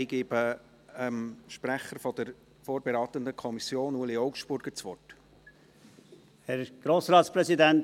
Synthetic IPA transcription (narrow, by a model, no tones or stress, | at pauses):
ɪɡ̥eːbə | ɛmʃpɾæχəɾfɔd̥̪əɾ | foːɾbɛɾɑːt̪ənd̪əkʰɔmisjoːnuːliɔʊkʃb̥ʊɾɡ̥əɾt͡sʋɔrt | hɛɾɡ̥ɾoːsɾɑːtspɾɛsidænt